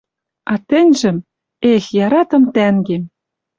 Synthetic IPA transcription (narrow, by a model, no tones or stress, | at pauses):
ɑt̪ɘ̆nʲʒɘ̆m | exjɑɾɑt̪ɤ̆mt̪æŋɡem